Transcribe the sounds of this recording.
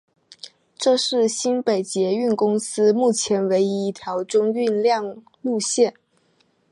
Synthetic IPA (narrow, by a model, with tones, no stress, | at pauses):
ʈ͡ʂɤ˥˧ʂɻ̩˥˩ɕi˥npe˨˩ɪt͡ɕjɛ˧˥y˥˩nkʊ˥ŋsɹ̩˥mu˥˩t͡ɕʰjɛ˧˥nwe˧˥ɪi˧˥i˥˩t̪ʰjɑ˧˥ʊʈ͡ʂʊ˥ŋy˥˧nljɑ˥˧ŋ | lu˥˧ɕjɛ˥˩n